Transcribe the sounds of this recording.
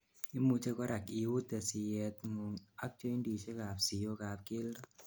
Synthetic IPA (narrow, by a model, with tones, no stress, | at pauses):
i˦mu˧t͡ʃe˦kɔ˦ɾa˨ki˨wu˦t̪ɛ˨sɪ˨jɛ˨t̪ŋu˨ŋa˦k̚t͡ʃɔ˦i˦ndi˨t͡ʃe˦ka˨psi˨jo˦ka˨p̚kɪ˦ldɔ˦